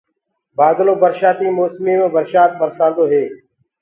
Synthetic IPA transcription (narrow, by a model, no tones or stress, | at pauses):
baːd̪loːbəɾʃaːt̪iːmoːsmiːmẽːbəɾʃaːt̪̚bəɾsãːnd̪oːɦeː